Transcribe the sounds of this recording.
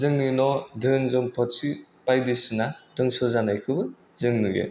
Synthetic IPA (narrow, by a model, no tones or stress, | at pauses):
zɯŋnɯnɔdɯnzɔmpʰɔtipajdɯsɯnadɯŋsɔzanajkʰɯbɯ | zɯŋnɯɡḛ